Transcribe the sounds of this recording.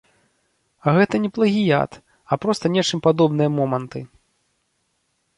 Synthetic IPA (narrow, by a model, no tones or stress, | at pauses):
ɐɣɛt̪ɐnʲɛplˠɐɣʲija̰t̪ | ɐpɾɔst̪ɐnʲɛt͡ʂɨmpad̪ɔbnɨjɐmɔmɐnt̪ɨ